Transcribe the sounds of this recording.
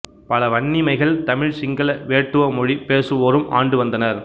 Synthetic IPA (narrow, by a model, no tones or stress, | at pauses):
pɐlɐʋɐɳːɪmɐɪɣɐɭt̪ɐmɪɻsɪŋɡɐɭɐʋeːʈːɯʋɐmɔɻipeːsɯʋoːɾɯmʔa̰ːɳɖɯʋɐnd̪ɐnɐɾ